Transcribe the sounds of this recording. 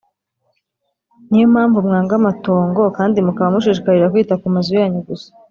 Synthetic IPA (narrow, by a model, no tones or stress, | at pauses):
nijomhaːɱvumŋaːŋɡamato̞ːŋɡo̞kaːndimukaβamuʃ̬iːʃikaɾiɾakwiːtakumazujaːɲeɡusḁ